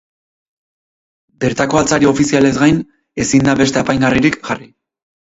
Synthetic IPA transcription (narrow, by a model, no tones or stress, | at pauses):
be̞ɾt̪ako̞alt͡saɾio̞fisiale̞zɡajn | e̞sind̪aβe̞st̪eapajŋɡariɾikʝari